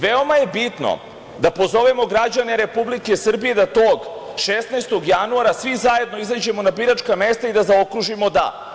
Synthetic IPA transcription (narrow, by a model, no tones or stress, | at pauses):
ʋeo̞maje̞bit̪no̰ | d̪apo̞zo̞ʋemo̞ɡɾad͡ʑaneɾe̞publike̞sr̩bije̞d̪at̪oːɡ | ʃesnajst̪o̞ɡjanuaɾasʋizaje̞d̪no̞izad͡ʑe̞mo̞nabiɾat͡ʃkame̞st̪aid̪azaokɾuʒimo̞d̪a̰